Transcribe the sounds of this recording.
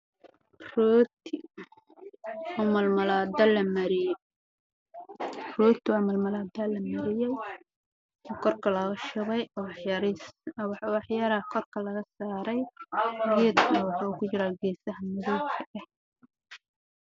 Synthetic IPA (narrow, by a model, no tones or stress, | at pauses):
rɔːt̪ʰɪ | ɔːmɐlmɐlaːd̪ɐlɐmɐɾɪj | rɔːt̪ʰwɑmɐlmɐlaːd̪ɐlɐmɐɾɪjɛj | ɔːkʰɔrkʰɐlɐɣɐʃɐβɛjɾwɑħjaːɾaːkʰɔrkʰɐlɐɣɐsaːɾɛjðiːd̪kʰʊnɐwɑħɑukʰʊt͡ʃɪɾaːɡɛːsɐɦɐmɐðɔːkʰɐʔɐh